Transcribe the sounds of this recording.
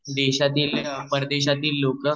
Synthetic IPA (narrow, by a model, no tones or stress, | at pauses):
d̪eɕat̪iːlpəɾd̪eɕ̬at̪iːlːokə